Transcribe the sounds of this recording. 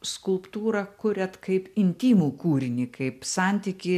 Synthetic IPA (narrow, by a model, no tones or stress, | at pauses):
skʊlˠpt̪uːɾɐkʊɾʲɛt̪kɐɪpɪnʲt̪ʲiːmuːkuːɾʲɪnʲɪkɐɪpsɑnʲt̪ʲiːkʲɪ